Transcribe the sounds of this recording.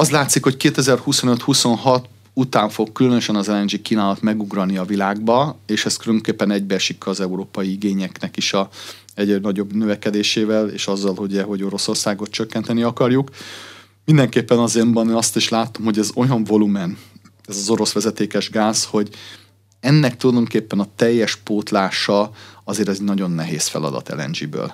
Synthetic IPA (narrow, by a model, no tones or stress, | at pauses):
ɒst̪laːt̪sikho̞ckeːt̪ɛzɛrhuso̞nø̞t̪huso̞nɦɒt̪ | ut̪aːɱfo̞kːylønø̞ʃɛnɒzɛlɛnd͡ʒikːiːnaːlɒt̪mɛɡuɡrɒlniɒvilaːɡ̚bɒeːʃɛst̪kyløŋkeːpːɛnɛɟbɛrʃikːɒzɛuɾoːpɒjiiɡeːɲɛknɛkiʃɒ | ɛɟɾɛnɒɟo̞bnøvɛkɛd̪eːʃeːvɛlḛːʃɒzːɒlhoɟɛɦo̞ɟo̞ɾo̞so̞rsaːɡo̞t̪t͡ʃøkːɛnt̪ɛniɒkɒrjuk | mind̪ɛŋkeːpːɛnɒzembɒnːɒst̪iʃlaːt̪o̞mho̞ɟɛzo̞jɒɱvo̞lumɛn | ɛzɒzo̞ɾo̞sʋɛzɛt̪eːkɛʒɡaːz̥ho̞ɟ | ɛnːɛk̚t̪ulɒjd̪o̞ŋkeːpːɛnɒt̪ɛjːɛʃpoːt̪laːʃɒɒzeːɾzɛɟnɒɟo̞nːɛɦeːsfɛ̰lɒ̰d̪ɒ̰t̪ɛ̰lɛ̰nd͡ʒibø̰ːl